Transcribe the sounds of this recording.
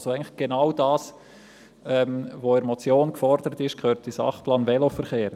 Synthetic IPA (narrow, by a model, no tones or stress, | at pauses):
soɛɪŋləχɡ̥enaʊdɑːs | ɛmʋoɪɾmot͡sjoːnkfɔɾd̥̪əɾət̪ɪʃkʰχøːɾtisɑ̰χplɑːnvɛlofəɾχeːɾ